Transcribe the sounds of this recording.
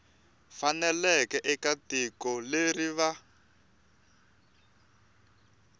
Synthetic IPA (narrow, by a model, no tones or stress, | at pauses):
fanɛlɛkɛʔɛkatikɔleriβa